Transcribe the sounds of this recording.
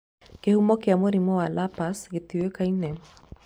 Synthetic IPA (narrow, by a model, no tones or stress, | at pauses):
kehumɔkeamoɾimɔwalapasɣet̪iwekainɛma